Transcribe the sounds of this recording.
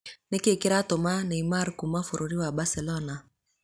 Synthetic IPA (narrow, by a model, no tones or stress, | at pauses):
nekekiɾatomaneimaɾkumafoɾoɾiwabasɛlɔna